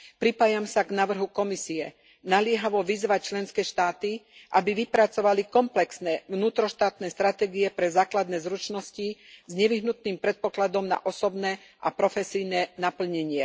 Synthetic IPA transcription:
pɾipaːjamsaɡnaʋr̩ɦukɔmisiɛ | nalɪɛɦaʋɔʋizʋac̚t͡ʃlɛnskɛːʃt̪aːt̪iʔabiʋipɾat͡sɔʋalikɔmplɛksnɛːʋnuːt̪ɾɔʃt̪aːt̪nɛːst̪ɾat̪ɛːɡiɛpɾɛzaːklad̪nɛːzɾut͡ʃnɔscizɲɛʋiɦnut̪̚niːmpɾɛt̪̚pɔklad̪ɔmna̰ʔɔsɔbnɛ | ʔapɾɔfɛsijnɛːnapl̩ɲɛɲɪɛ

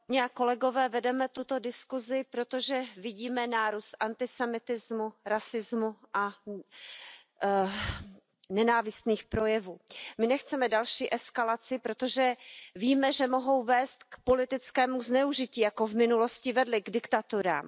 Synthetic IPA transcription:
ɲɛako̞lɛɡo̞vɛːvɛdɛmɛt̪ut̪o̞dɪskuzɪpɾo̞t̪oʒɛvɪɟiːmɛnaːɾust̪ʔant̪ɪsɛmɪt̪ɪzmuɾasɪzmuʔa | nɛnaːvɪst̪niːxpɾo̞jɛvuːmɪnɛxt͡sɛmɛdalʃiːʔɛskalat͡sɪpɾot̪o̞ʒɛviːmɛʒɛmo̞ɦo̞wvɛːst̪kpo̞lɪt̪ɪt͡skɛːmuznɛuʒɪciːjakovmɪnulo̞scɪvɛdlɪɡdɪkt̪at̪uɾa̰ːm

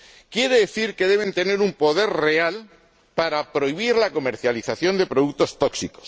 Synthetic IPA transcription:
kje̞ɾe̞ðe̞θiɾke̞ð̞e̞βe̞nt̪e̞ne̞ɾumpo̞ðe̞ɾre̞al | paɾapɾo̞iβ̞iɾlako̞me̞ɾθjaliθaθjo̞nd̪e̞pɾo̞ðuk̚t̪o̞st̪o̞ksikos

